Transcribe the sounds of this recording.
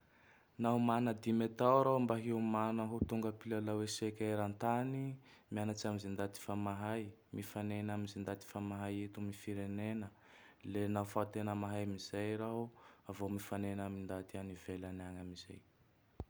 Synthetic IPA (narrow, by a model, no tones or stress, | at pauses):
naɦumanəd̪imet̪awɾaɦmbaɦimanəɦut̪uŋɡəpilalawesekʲaɾant̪animianat͡samizind̪at̪i̥famaɦaj | mifanenamizind̪at̪i̥famaɦajet̪umifiɾenenə | lenafat̪enəmaɦajmizajɾaɦuavomifanenamind̪at̪ianivelanaŋamiz̥a̰j